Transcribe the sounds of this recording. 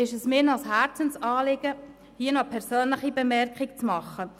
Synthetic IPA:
ɪʃəsmɪːnɑlshæɾt͡sənsɑːlɪɡ̥ə | hiənɔpʰɛɾsøːnləχibəmɛɾkʰχɪkt͡smɑχːə

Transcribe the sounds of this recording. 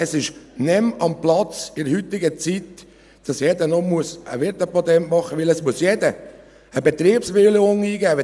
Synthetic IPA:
ɛsɪʃnɛmɑmplɑt͡sɪdəhyt̪ːɪɡət͡sit̪ | d̥ɑsjɛd̪ənɔmuəsə̰ʋɪɾt̪əpɔt̪ɛntmɑχəʋɪləsmuəsjɛdə | əbɛt̪ɾiːpsʋɪlɪʊŋiːɡæː

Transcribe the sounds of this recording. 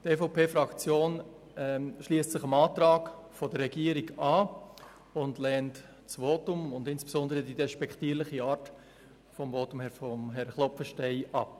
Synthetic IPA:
tɛfoʊpʰeːfɾɑkt͡sjoːn | ɛʃliəstt͡sɪχəmɑːtɾɑːkfɔdəːɛɡiːəɾiɡɑː | ʊndlɛːnt | t͡sʋoːtʊmʊndɪnsb̥e̥sɔndəɾədidɛʃpɛktiːəɾlɪχiɑːɾt | fɔmvoːtʊmhɛfɔmɦɛɾχlɔpfəʃtɛɪʔɑ̰p̚

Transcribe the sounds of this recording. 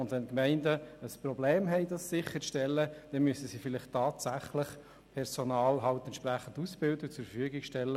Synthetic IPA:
ʊndʋɛnkmɛɪndəəsprobleːmɦɛɪd̥ɑsːɪχəʃtɛlːəd̥ɛnmyəsəsifɪlɪχtʰːɑːtsæχlɪχ | pʰɛɾsonɑːlɦɑwtɛntʃpræχən̩dusb̥ɪldɪk̚t͡sʊɾfəfyəɡɪkʃtɛlːə

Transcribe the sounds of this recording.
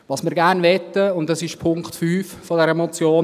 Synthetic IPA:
ʋɑːsmɪːɾɡænvɛtːəʊnd̚dɑsɪʃpʰʊŋktfyːffɔdɛɾəmɔt͡sjoː

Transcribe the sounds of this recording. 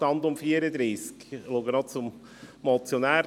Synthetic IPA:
tɑnd̪ʊmfiːəɾəd̪ɾiːskluɡənɔt͡sʊm | mɔt͡sjonæː

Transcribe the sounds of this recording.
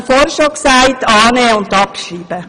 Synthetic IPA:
fɔɾʃoːksæɪtɑːneːəʊndɑpʃiːb̥ə

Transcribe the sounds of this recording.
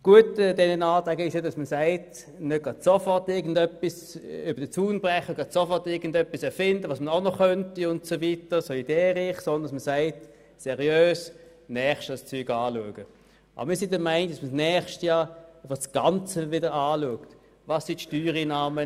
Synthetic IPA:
ɡ̥uətdɛnənaːtʁɛɡəɪʃjodɑsməsaɪt | nøtɡ̥ʁɑd̥sofɔʁtɪɐɡn̩dœpːis | yb̥əd̥ət͡suːnb̥ʁɛχəɡ̥ʁɑdsofɔʁtɪɐɡən̩dœpːisɛɐfɪndəvoːsmənaʊnɔχœntiʊntsovitəsɔlidɛːʁɪχsɔnd̪n̩dɑsməsaɪt | sɛʁiøːs | nɛːχʃtəst͡syːɡaːluəɡ̥ə | ʔbɐmiːɐsɪndɐmæɪnɪɡd̥ɑsməsnɛːχʃtjɑːfəsɡ̥ɑnt͡səvɪdəʁaːluəkt | vɑsːitʃtyːʁinaːmə

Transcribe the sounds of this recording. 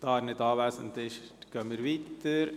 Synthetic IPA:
d̪ɑɾnɪt̪ɑːʋæːsənt̪ɪʃʈkœməɾʋit̪ːəɾ

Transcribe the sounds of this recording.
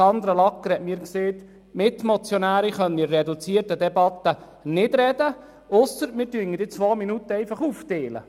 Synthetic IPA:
ɑnd̪ɾəlɑkːəɾhɛtmɪːɾkseːt̪ | mɪt̪mɔt͡sjɔnæːɾiχœniːɾːɛd̪ut͡siərtəd̪ɛbɑt̪ːə | nɪdɾɛd̪ə | ʊsəɾmɪːɾtyəŋədɪt͡sʋoːminut̪ːəɛɪfɑχuft̪eːlə̰

